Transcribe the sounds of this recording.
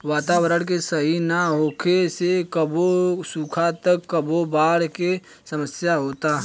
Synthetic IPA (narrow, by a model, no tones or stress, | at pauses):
ʋaːt̪aːwəɾəɽ̃k̬esəɦinaɦoːkʰesekəbosukʰat̪əkːəbʱobaːɽke | səməsjaɦoːt̪aː